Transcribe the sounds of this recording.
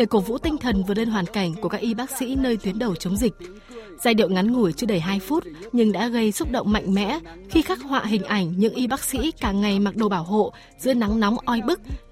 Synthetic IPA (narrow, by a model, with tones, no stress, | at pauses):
ɗe˨˩ko˧˩vṵ˧˥t̪ï˧ŋ̟t̪ʰə˨˩nvɨ˨˩le˧nɦwaː˨˩nka˧˩jŋ̟ku˧˩əkaː˦˥k̚ʔi˧ɓaː˦˥k̚sḭ˧˥nəː˧jt̪wi˨˦ənɗə˨˩wt͡ɕə˨˦wŋ͡mzï˨˩k̟̚ | z̥aː˧jɗḭ˧˨əwŋa˨˦nŋu˧˩əjt͡ɕɨ˧əɗə˧˩jɦaː˧jfu˦˥t̚ɲɨ˧ŋɗa̰ː˧˥ɣə˧jsʊ˦˥k͡p̚ɗə̰˧˨wŋ͡mma̰˧˨jŋ̟mɛ̰˧˥xi˧xaː˦˥k̚hwa̰ː˧˨ɦï˨˩ŋ̟ʔa˧˩jŋ̟ɲɨ̰˧˥ŋʔi˧ɓaː˦˥k̚sḭ˧˥kaː˧˩ŋa˨˩jma˨˩k̚ɗo˨˩ɓaː˧˩wɦo̰˧˨ | zɨ̰˧˥əna˨˦ŋnɔ˨˦wŋ͡mʔɔ˧jɓɨ˦˥k̚